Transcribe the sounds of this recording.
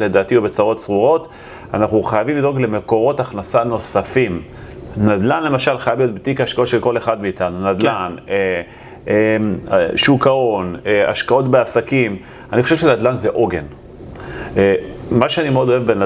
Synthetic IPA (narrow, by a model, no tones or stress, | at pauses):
le̞d̪aːtiobe̞t͡saʁo̞tsʁuʁo̞t | anaχuχajavimlido̞ɡle̞me̞ko̞ʁo̞taχnasano̞safim | nad̪lanle̞maʃalχajavlijo̞t̪bet̪ikaaʃkao̞tʃelko̞le̞χadmiːtanunad̪lane | e | ʃukao̞nea̰ʃkao̞tbeasakim | anixoʃevʃenad̪lanzeʔo̞ɡe̞n | emaʃeanimeo̞d̪o̞evben